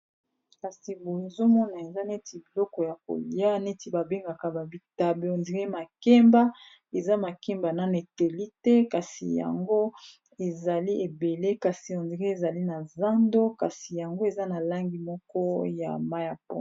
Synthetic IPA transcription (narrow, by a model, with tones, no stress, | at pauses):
ka˨si˨bo˨e˨zo˦mɔ˦na˨e˨za˦ne˦ti˨bi˨lɔ˦kɔ˨ja˨ko̰˨li˨ja˦ne˦ti˨ba˨be˦ŋɡa˨ka˨ba˨bi˨ta˨be˨o˨ndi˨ɣe˦ma˨kɛ˦mba˦ | e˨za˦ma˨ke˦mba˨na˨n˨e˨te˨li˦tɛ˦ka˨sḭ˨ja̰˨ŋɡo˦ | e˨za˨li˦ʔe˨be˨le˦ka˨si˨o˨ndi˨ʁe˦e˨za˨li˦na˨za˦ndo˦ka˨si˨ja˨ŋɡo˦e˨za˦na˨la˦ŋɡi˨mɔ˦kɔ˦ja̰˨ma˦ja˨pɔ˦˨